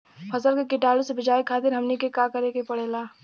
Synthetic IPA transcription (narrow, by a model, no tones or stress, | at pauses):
fʰɐsəlkekeʈaːɾlosebɪd͡ʒaːekʰaːt̪ɪnɦɐmnikekaːkɐɾekepɐɽ̤eːlaː